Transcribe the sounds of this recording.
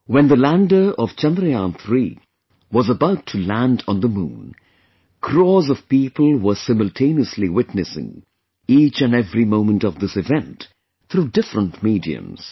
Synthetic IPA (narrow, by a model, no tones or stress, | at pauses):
wɛ̃nðəlæ̃ndə˞ʔɔv̥t͡ʃɛ̃nd̪ɾiãnθʰɾi | wʌzəbaʊtʰːɨlæ̃nd̃n̩ðəmṵ̃ːn | kʰɾɔzʌv̥piːpəlˠwə˞sɪ̃məltʰẽɪniəsliwɪtnɨsɪ̰̃ŋ | iːt͡ʃɨ̃nɛvɾimõʊ̃mə̃ntʌvðɪsɨvɛ̃nt | t̪ʰɾudɪfɾə̃ntmiːdḭɨ̰̃mz̥